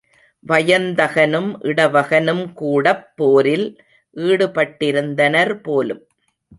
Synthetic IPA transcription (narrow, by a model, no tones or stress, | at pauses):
ʋɐjɐnd̪ɐɣɐnɯmʔɪɽɐʋɐɣɐnɯmkuːɽɐpːoːɾɪl | ʔiːɽɯpɐʈːɪɾɯnd̪ɐnɐɾpoːlɯm